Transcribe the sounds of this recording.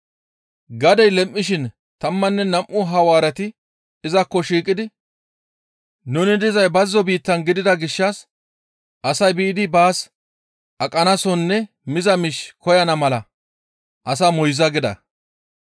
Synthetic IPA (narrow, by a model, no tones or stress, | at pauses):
ɡɐd̪ɛjlɛmʔːɪʃɪn | t̪ɐmːɐnːɛnɐmʔːʊɦɐwaːɾɛt̪ɪ | ɪzɐkːɔʃiːkʼːɪd̪ɪ | nʊnɪd̪ɪzɐjbɐzːɔbiːt̪ːɐnɡɪd̪ɪd̪ɐɡɪʃːɐs | ʔɐsɐjbiːd̪ɪbaːs | ʔɐkʼɐnɐsɔnːɛ | mɪzɐmɪʃkɔjɐnɐmɐlɐ | ʔɐs̬ɐmɔjzɐɡɪd̪ɐ̰